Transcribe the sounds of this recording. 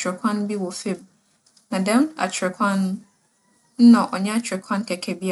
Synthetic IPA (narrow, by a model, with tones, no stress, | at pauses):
t͡ɕʰɾɪ˨kʷʰã˦ñ˦bi˦wɔ˨fe˦˨b̚ | nã˨dɛ̃˦ma̰˨t͡ɕʰɛ˨kʷʰã˦nʊ̃˦ | n̩˦nã˨ʔɔ˨ɲɛ̃˦a˦t͡ɕʰɾɛ˨kʷʰã˦n˦kʰɛ˨kʰɛ˨bi˦a˨